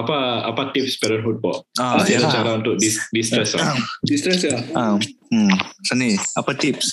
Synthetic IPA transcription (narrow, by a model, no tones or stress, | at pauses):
apaapat̪ip̚spɛɾɔnɦut̪̚pɔʔailat͡ʃaɾaũnt̪ʊk̚disdist̪ɾɛsladist̪ɾɛsjaa | səniapat̪ips